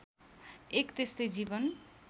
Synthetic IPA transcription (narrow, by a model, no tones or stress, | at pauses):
ekt̪est̪ʌjd͡zibʌn